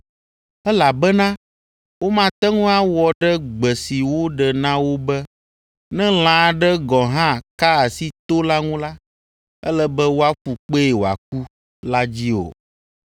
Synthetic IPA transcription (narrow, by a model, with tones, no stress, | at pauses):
ɛ˦la˨bɛ˦nã˦ | wo˦mã˨t̪ɛ˦ŋũ˦a˦wɔ˨ɖɛ˦ɡ͡bɛ˨si˨wo˦ɖɛ˨nã˦wo˦bɛ˦ | nɛ̃˦l̃ã˨ɖɛ˦ɡɔ˨ɦã˦˨ka˦a˨si˦t̪o˦la˦ŋũ˦la˦ | ɛ̰˦lɛ˦bɛ˦wo˦a˦ɸu˨k͡pe˦e˨wo˨a̰˨k̚u˦ | la˦d͡ʑi˦o̰˨